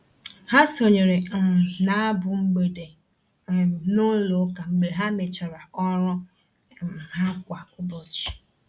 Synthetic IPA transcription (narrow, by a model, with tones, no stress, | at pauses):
ha˦so˨ɲe˨ɾe˨na˦a˦bʊ˨ŋ͡m̩˦ɡ͡be˨de˨ | nʊ˦lo˨˦ka˨ŋ͡m̩˨ɡ͡be˨ɦa˦me˨t͡ʃa˨ɾa˨ɔ˦ɾɔ˦˨ | m̩˨ɦa˦kʷa˨kʊ˦bo˨t͡ʃi̥˨